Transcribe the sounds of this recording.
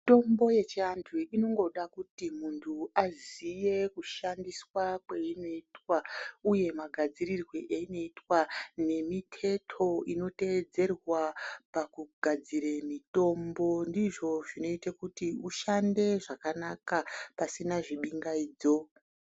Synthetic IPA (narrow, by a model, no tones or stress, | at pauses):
mto̞mbo̞je̞t͡ʃiantʰuino̞ŋɡo̞ɗakutimuntʰuazije̞kuʃandiswakwe̞ino̞itwauje̞maɡʱad͡ziɾirweʔeino̞itwane̞mitʰe̞tʰo̞ino̞ted͡ze̞rwapakuɡʱad͡ziɾemito̞mbo̞ndiʐo̞ʐino̞itakutiuʃande̞ʐakanakapasinaʐiɓiŋɡaiːd͡zo̞